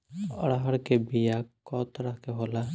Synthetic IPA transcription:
əɽɦaɽkebijakːɔt̪ɾakeɦola

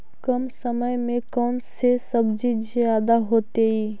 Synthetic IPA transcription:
kəmsəməjmẽkɔːnsesəbd͡ʒid͡ʒjaːd̪aɦoːt̪eɦiː

